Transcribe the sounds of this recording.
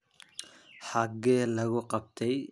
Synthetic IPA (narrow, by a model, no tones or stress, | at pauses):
ħɑɡːɛlɐɣʊqɑb̚t̪ʰɛj